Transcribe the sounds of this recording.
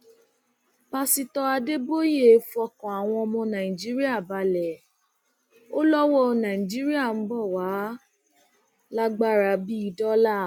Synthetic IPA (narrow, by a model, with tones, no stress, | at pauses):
pa˧si˧tɔ˧a˧de˦bo˦je˦˨˦fɔ˧kɔ̃˨a˨w̃ɔ̃˧ɔ˧mɔ̃˧nã˨ĩ˨d͡ʒi˦ɾi˦a˦˨ba˧lɛ˨ | o˦lɔ˦wɔ˦˨nã˨ĩ˨d͡ʒi˦ɾi˦a˦˨m̩˦bɔ˦˨wa˨˦ | la˦ɡ͡ba˦˨ɾa˨bi˦i˦˧dɔ˦la˦˨